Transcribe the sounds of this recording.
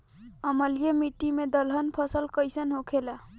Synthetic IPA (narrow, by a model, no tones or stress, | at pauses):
əməlijemiʈːimed̪əlɦənpʰəsəlkəjsənɦokʰela